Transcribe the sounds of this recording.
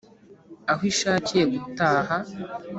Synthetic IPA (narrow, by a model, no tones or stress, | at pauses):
ahwiʃaːcije̞ɡutaːha